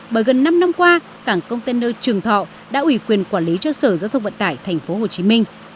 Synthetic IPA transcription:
ɓəː˧˩jɣə˨˩nːa˧mna˧mkwaː˧ | kaː˧˩ŋkə˧wŋ͡mt̪e˧nəː˧t͡ɕɨ˨˩əŋt̪ʰɔ̰˧˨ | ɗa̰ː˧˥ʔwi˧˩kwi˨˩ənkwaː˧˩nli˨˦t͡ɕɔ˧səː˧˩zaː˧wt̪ʰə˧wŋ͡mvə̰˧˨nt̪aː˧˩jt̪ʰɛ˨˩jŋ̟fo˨˦ɦo˨˩t͡ɕi˨˦mï˧ŋ̟

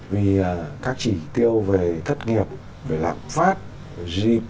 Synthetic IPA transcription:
vi˨˩˨kaː˦˥k̚t͡ɕi˧˩t̪i˧əwve˨˩t̪ʰə˦˥t̚ŋi˨˩əp̚ | ve˨˩la̰ː˧˨mfaː˦˥t̚ | zi˧

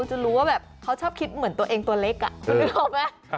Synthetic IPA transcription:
t͡ɕa˨˧ɾuː˦˥waː˥˩bɛː˨˩p̚kʰa˦˥wt͡ɕʰɔː˥˩p̚kʰi˦˥t̪̚mɯ˩˦nt̪u˧ɐʔeː˧ŋt̪u˧ɐle˦˥k̚ʔa̰˨˩ʔkʰːi˧˩kɔ˧˩ma˦˥

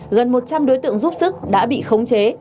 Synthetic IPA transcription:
ɣə˨˩nmo˨˩t̚t͡ɕa˧mɗo˨˦jt̪ɨ̰˧˨əŋzu˦˥p̚sɨ˦˥k̚ɗa̰ː˧˥ɓḭ˧˨xə˨˦wŋ͡mt͡ɕe˨˦

